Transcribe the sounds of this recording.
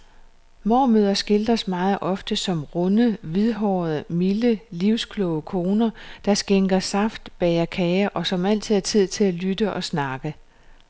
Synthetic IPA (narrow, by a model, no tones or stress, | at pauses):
mɒ̰ːmøð̞̰ˠɐsɡ̥e̝ld̥ɐsmɑ̈ːð̞̩ˠʔɒ̽fd̥əsɒ̽mʁɔ̽nəʋiðˠɦɒːð̩ˠmiləliʊ̰skʰlɔʊəkʰo̝ːnɐd̥ɑ̈sɡ̥eŋɡ̥ɐsɑ̈fd̥b̥ɛɪɐkʰɛɪɐʔɒ̽sɒ̽mæl̰t͡sʰið̰ˠt͡sʰið̞̰ˠt͡sʰe̝lælydəʔɒ̽snɑ̈ɡ̥ə